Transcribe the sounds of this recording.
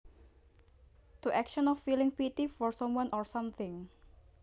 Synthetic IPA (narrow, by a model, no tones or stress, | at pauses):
t̪uʔɛkʃɔ̃nɔfilɪ̃ŋpit̪ifɔɹsɔ̃mwãnʔɔɹsãmθɪ̃ŋ